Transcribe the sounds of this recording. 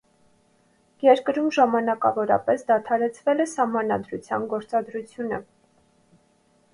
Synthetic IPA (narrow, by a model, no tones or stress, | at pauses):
jɛɾkəɾumʒɑmɑnɑkɑ̰vɔɾɑ̰pɛsd̪ɑt̪ʰɑɾɛt͡sʰvɛlɛsɑhmɑnɑd̪ɾut͡sʰjɑ̰nɡɔɾt͡sɑd̪ɾut͡sʰjunə̰